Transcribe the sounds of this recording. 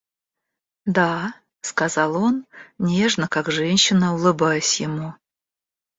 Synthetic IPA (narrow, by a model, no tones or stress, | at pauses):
d̪a | skɐzɑlˠo̞nnʲeʐnəkakʐɛnʲɕːɪnəʊlˠɨbajɪsʲjɪmu